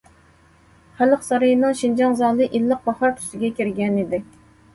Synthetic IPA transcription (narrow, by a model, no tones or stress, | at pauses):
χæləqsɑɾɑjnɨŋʃind͡ʒɑŋzɑːlˠɨʔilːəq̚bɑhɑɾt̪ʰy̥sɪɡʲɛkʲiɾɡʲɛnid̪ɪ